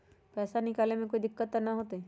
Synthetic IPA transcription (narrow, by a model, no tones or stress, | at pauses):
pɛːsanɪkaːlemẽkoːid̪ɪkːət̪ːanɐɦoːt̪e